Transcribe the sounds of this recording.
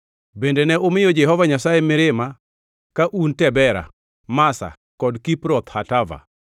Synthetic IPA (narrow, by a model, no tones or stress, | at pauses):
bendenɛʔomɪjɔd͡ʒɛhɔvaɲasajemɪɾɪma | kaʔuntɛbɛɾa̰ | masa̰ | kɔdkipɾɔt̪hatava̰